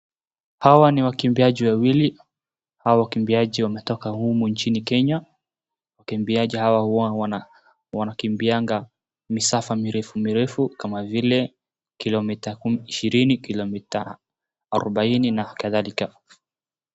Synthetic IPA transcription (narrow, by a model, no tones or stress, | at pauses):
hawaniwakimbiaʄiwawili | hawawakimbiaʄiwamɛtɔkahumuɲt͡ʃinikɛɲa | wakimbiaʄihawahua | wanakimbiaŋɡa | misafamiɾɛfumiɾɛfukamavilɛ | kilɔmitakumiʃiɾinikilɔmita | aɾɔɓaininakaðalika